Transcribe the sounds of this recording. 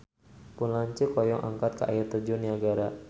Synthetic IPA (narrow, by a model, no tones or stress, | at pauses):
punlaɲt͡ʃəkɔjɔŋʔa̰ŋkat̪̚kaʔa̰jɪrt̪ərd͡ʒʊniaɡaɾa